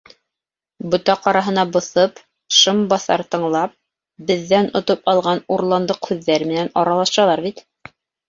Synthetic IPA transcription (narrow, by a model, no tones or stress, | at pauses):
bŏt̪ɑqɑɾɑɦɤ̆nɑbŏθɤp | ʃɤmbɑθɑ̰ɾt̪ɤ̆ɴlˠɑp̚ | bɘ̆ðːænŏt̪opɑlˠʁɑnuɾlˠɑnd̪ɤqhʉðːæɾmɘ̆nænɑɾɑlˠɑʃɑlˠɑɾbit̪